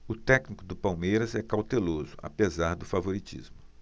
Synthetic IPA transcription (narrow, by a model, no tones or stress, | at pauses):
ʊt̪ɛknikʊd̪ʊpawmejɾɐzɛkawt̪elozʊʔa̰pezaɾd̪ʊfavoɾit͡ʃḭzmmʊ